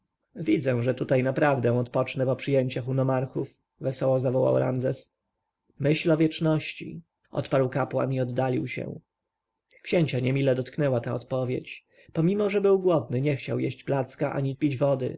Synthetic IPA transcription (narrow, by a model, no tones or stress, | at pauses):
vʲid̪zɛ̃ʐɛt̪ut̪ajnapɾavd̪ɛ̃ɔt̪pɔt͡ʂnɛpɔpʂɘjɛɲt͡ɕaxunɔmaɾxuf | vɛsɔwɔzavɔwa̰wɾa̰mzɛs | mɘɕlɔvʲjɛt͡ʂnɔɕt͡ɕḭ | ʔɔ̰t̪paɾwkapwa̰niɔd̪ːalʲiwɕɛ̰̃ | kɕeɲt͡ɕaɲɛmʲilɛd̪ɔt̪knɛwat̪aɔt̪pɔvʲjḛt͡ɕ | pɔmʲimɔʐɛbɘwɡwɔd̪̚nɘɲɛxt͡ɕawjeɕt͡ɕplat̪skaʔa̰ɲipʲid͡ʑvɔd̪ɘ̰